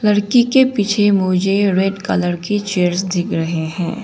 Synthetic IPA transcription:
lɐɾkikepit͡ʃʰemʊd͡ʒeɾeɖkɐləɾkit͡ʃeːəɾsd̪ʱɪkɾɐɦeɦɛ̰̃ː

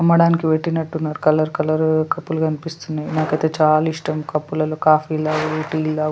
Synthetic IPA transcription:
ɐmːɐɽaːnikiʋeʈːinɐʈːunːaːɾukɐlɐɾkɐlɐɾkɐpːulukɐnipist̪unːaːjinaːkɐjt̪e̞ːt͡ʃaːlɐiʂʈɐmkɐpːulɐlo̞ːkaːfiːlaːɡuluʈiːllaː

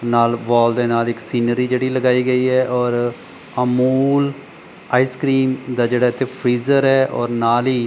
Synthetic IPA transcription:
naːlbɔːld̪eːnaːlɪksiːnəɾiːd͡ʒeːɽiːləɡaːiːɡəiːɛːʔɔːɾ | əmuːl | aːiːskɾiːmd̪aːd͡ʒeːɽaːt̪eːpʰɾiːzəɾɦɛːʔɔ̰ːɾnaːliː

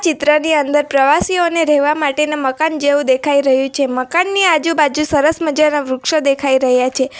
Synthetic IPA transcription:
t͡ʃɪt̪ɾəniənd̪əɾpɾəʋasioneɾɛɦʋamaʈenaməkand͡ʒeʋũd̪ekʰaiɾəɦjũt͡ʃʰeməkanːiad͡ʒũbad͡ʒũsəɾəsməd͡ʒanaʋɾukʃəd̪ekʰaiɾəɦjat͡ʃʰe

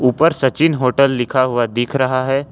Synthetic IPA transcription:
uːpəɾsɐt͡ʃɪnɦoːʈəlːɪkʰaɦʊad̪ɪːkʰɾɐɦaɦɛː

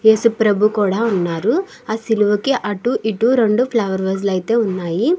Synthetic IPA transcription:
esupɾɐbʱukuːɽaunːaːɾu | aːsiluʋɐkːeʔɐʈːuʔiʈːuɾoɳɖupʰlɐʋɐɾʋɐslɐjit̪eunːaːji

